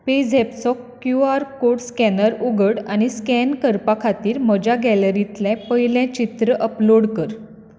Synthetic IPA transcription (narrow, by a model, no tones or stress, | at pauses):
ped͡zepsɔkː | juaɾkoɽskɛnəɾuɡəɽaɽ̃iskɛnkəɾpakʰat̪iːɾməd͡ʑaɡɛləɾĩt̪lɛ̃pəɦilɛ̃t͡ɕit̪ɾəʔəploɽkəɾ